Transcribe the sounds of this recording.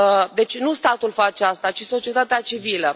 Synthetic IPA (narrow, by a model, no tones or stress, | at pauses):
d̪e̞t͡ʃʲnust̪at̪ulfat͡ʃeast̪at͡ʃiso̞t͡ʃie̞t̪at̪eat͡ʃivilə